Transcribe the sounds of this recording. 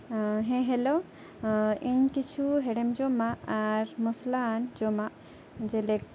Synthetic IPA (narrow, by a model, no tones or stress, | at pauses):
ɦɛ̃ɦɛlo | iɲkit͡ʃʰuɦɛɖɛmd͡ʒɔmaːɾmɔsland͡ʒɔmaʔ | d͡ʒɛlek̚